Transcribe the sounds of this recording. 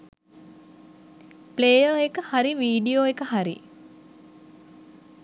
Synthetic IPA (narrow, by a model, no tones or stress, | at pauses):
pleːjəekəhaɾiʋiːɖijoːekəhaɾḭ